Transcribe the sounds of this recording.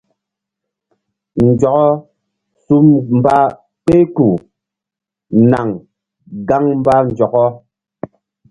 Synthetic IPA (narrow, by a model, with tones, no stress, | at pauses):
n̩˨d͡ʒɔ˨kɔ˦ | su˦mm˨ba˦ | pe˦ku˨ | na˨ŋ | ɡa˦ŋm̩˦ba˦n̩˨d͡ʒɔ˨kɔ˦